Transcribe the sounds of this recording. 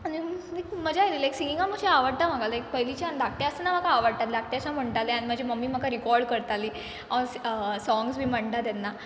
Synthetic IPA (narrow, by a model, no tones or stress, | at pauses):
animikməd͡ʑaeɾilajksiŋɡiŋɡaməd͡ʑʰiaʋəɽ̚t̪am̤əɡalajk̚pəɦjlit͡ɕiand̪ʱak̚ʈeəsənːaməkʰaːʋaɽt̪at̪lak̚ʈeasam̤əɳʈ̪aleañim̤əd͡ʑʱiməmːiːməkaɾikɔɾɖkəɾt̪ali | assɔ̃ŋɡsbʱiːm̤əɳʈ̪at̪janːa